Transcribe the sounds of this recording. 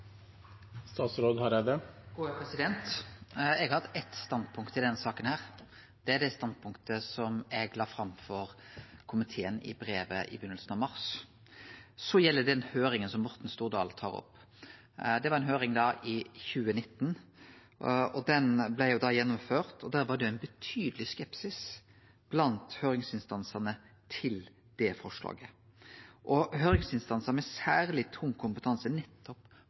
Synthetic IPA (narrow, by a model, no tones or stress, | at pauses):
st̪ɑːt̪sɾoːd̪hɑɾɛd̪əɡ̥uːəpʰɾɛsɪd̪ɛnt̪ | ɛɡɑhɑd̪ːɛt̪st̪ɑnd̪pʰʊŋkt̪əɪd̪ɛnsɑːkənhæːʁ | d̪̥ɛæd̪æst̪ɑnd̪̚pʰʊŋkt̪əsɔmɛɡlɑːfɾɑmfɔɾkʰʊmɪt̪ʰeːənɪ̰bɾeːʋə̰ʔɪ̰bʏnːəlsn̩ɑʋmɑʁs | sɔjɛlːəd̪ɛnhøːɾɪŋənsɔmːɔɾt̪n̩st̪uːʁd̪ɑ̰ːlt̪ʰɑ̰ːʁɔ̰pː | d̪ɛʋɑɾɛnɦøːɾɪŋd̪ɑːʔɪçʉːənɪt̪ːn | ɔd̪ɛnblæɪjʊd̪ɑjɛnːɔmføːʁt̪ʰɔd̪æːɾʋɑɖ̪ɛæɪnbət̪ʰyːd̪əlɪskɛpsɪs | b̥lɑnt̪høːɾɪŋsɪnst̪ɑnsənə | t̪ʰɪl | d̪̥ɛfɔʂlɑ̰ːɡə | ʔɔɦøːɾɪŋsɪnst̪ɑnsəmɛsæːʁlɪt̪ʰʊŋːkʰʊmpət̪ʰɑnsənɛt̪ʰːɔp